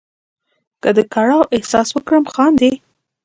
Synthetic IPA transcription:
kəd̪əkaɽɑwʔɪhsɑswəkɽəmxɑnd̪e

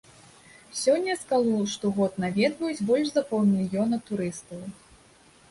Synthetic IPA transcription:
sʲɔnʲːɐskalˠɔʂt̪ɔɣɔt̪̚navʲɛd̪vɐjut͡sʲbɔlʲʂzɐpɔw̪ˠmʲilʲjɔnɐt̪uɾɨst̪ɐw

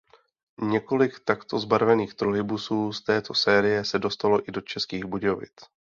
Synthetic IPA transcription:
ɲɛko̞lɪkt̪akt̪o̞zbaɾvɛniːxt̪ɾoɦɪbusuːst̪ɛːt̪ʰo̞sɛːɾɪjɛsɛdo̞st̪alo̞ʔɪdo̞t͡ʃɛskiːɣbuɟovɪ̰t͡s

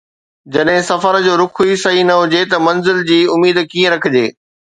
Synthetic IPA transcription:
d͡ʑɐɗɦɪ̃sɐfəɾd͡ʑoːɾʊkʰuisɐɦinɐɦʊd͡ʑet̪ɐmɐnzɪld͡ʑiːʊmiːd̪kiːə̃ɾɐkʰə̆d͡ʑeː

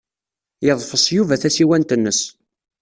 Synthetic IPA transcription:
jəðˤfəsˤjuvæθæsiwænt̪ənːəs

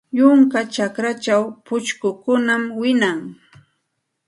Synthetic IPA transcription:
jʊŋkat͡ʃakɾat͡ʃawpʊt͡ʃkʊkʊnamwɪnaŋ

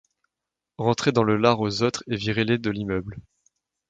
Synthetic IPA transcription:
ʁɑ̃t̪χed̪ɑ̃ləlaʁozot̪χeviʁeled̪əlimœbl

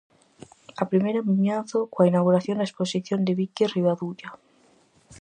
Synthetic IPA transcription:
apɾimeɾommjanθokwainawɣuɾaθjond̪aesposiθjond̪eβikeriβaðuʎa

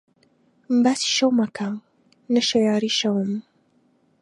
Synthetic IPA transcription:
mbaːsi̥ʃɐwmakʰa | nɐʃajaːɾiʃɐwəm

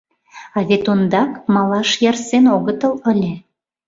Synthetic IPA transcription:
ɑβet̪ond̪ɑkmɑlɑʃjɑrsenoɣət̪ələlʲe

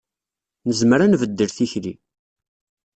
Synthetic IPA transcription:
nəzməɾænvəd̪ːəɾθiçɾi

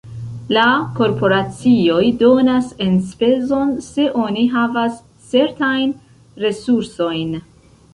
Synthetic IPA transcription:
lako̞ɾpo̞ɾat͡sio̞jdo̞nase̞nspe̞zo̞nse̞ʔo̞niɦavas | t͡se̞ɾtajn | ɾe̞suɾso̞jn

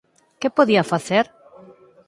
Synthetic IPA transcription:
kepoðiɐfaθeɾ

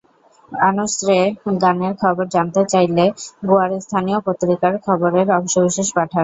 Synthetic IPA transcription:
anosɾeɡaneɾkʰɔboɾd͡ʑant̪et͡ɕajleɡoaɾest̪ʰaniopot̪ːɾikaɾkʰɔboɾeɾɔbʃobiʃeʃpaʈʰa

